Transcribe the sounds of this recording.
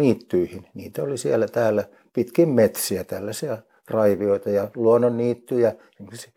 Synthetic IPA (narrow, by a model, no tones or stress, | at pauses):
iːt̪ːyihinnḭːt̪æolisiælːæt̪æːlːæ | pit̪kimmet̪siæt̪ælːæsiæ | rɑiʋioit̪ɑjɑluonːonniːt̪ːyjɑsemːosisi̥